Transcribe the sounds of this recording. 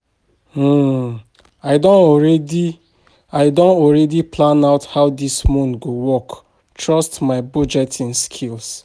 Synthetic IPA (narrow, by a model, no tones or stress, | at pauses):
aɪdõnɔɹɛdi | aɪdõnɔlɹɛdiplãnaʊthaʊdismɔ̃nɡowɔk | tɹɔstmaɪbɔd͡ʒɛtĩnskʰils